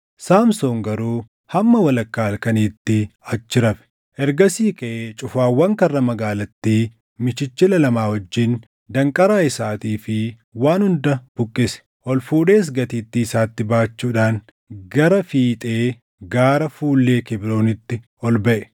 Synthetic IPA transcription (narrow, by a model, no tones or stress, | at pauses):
saːmso̞ːŋɡɐɾuː | hɐmːɐwɐlɐkːaːlkɐniːt̪ːɪɐt͡ʃːɪɾɐfɛ̥ | ʔɛɾɡɐsiːkʼɐʔeːt͡ʃʼʊfaːwːɐŋkɐrːɐmɐɡaːlɐt̪ːiː | mɪt͡ʃɪt͡ʃːɪlɐlɐmaːhɔd͡ʒːɪːn | d̪ɐŋkʼɐɾaːɪsaːt̪iːfɪ | waːnhʊnd̪ɐb̥ʊkʼːɪsɛ̥ | ʔɔlfuːᶑe̞ːs̬ɡɐt̪iːt̪ːɪɪsaːt̪ːɪbaːt͡ʃːuːᶑaːn | ɡɐɾɐfiːt̪ʼeː | ɡaːɾɐfuːlːe̞ːkɪbɾo̞ːnɪt̪ːɪ | ɔlbɐʔɛ̥